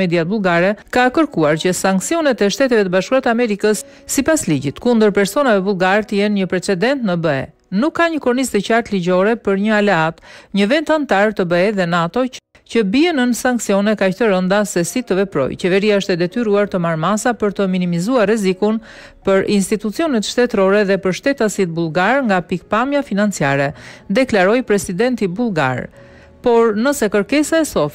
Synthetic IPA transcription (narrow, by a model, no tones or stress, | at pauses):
ɛd̪iat̪̚bulˠɡaɾɛkakəɾkuaɾcəsaŋksiɔnɛt̪ɛʃt̪ɛt̪ɛvɛt̪əbaʃkuɾat̪amɛɾikəsː | ipasliɟit̪kund̪əɾpɛɾsɔnavɛvulˠɡaɾt̪əjɛnɲəpɾɛt͡sɛd̪ɛnt̪nəbəɛ̰ | nukːaɲəkɔɾnist̪əcaɾt̪liɟɔɾɛpəɾɲəalɛat̪ɲəvɛnt̪ant̪aɾt̪əbəɛðɛnat̪ɔ | cəbiɛnənsaŋksiɔnɛkaçt̪əɾənd̪asɛsit̪əvɛpɾɔ̰jt͡ɕɛvɛɾiaəʃt̪ɛd̪ɛt̪yɾuaɾt̪əmaɾmasapəɾt̪əminimizuarɛzikun | pəɾinst̪it̪ut͡siɔnɛt̪ʃt̪ɛt̪ɾɔɾɛðɛpəɾʃt̪ɛt̪asit̪̚bulˠɡaɾŋɡapik̚pamjafinant͡siaɾɛd̪ɛklaɾɔjpɾɛsid̪ɛnt̪ibulˠɡa̰ɾ | pɔɾnəsɛkəɾkɛsaɛsɔ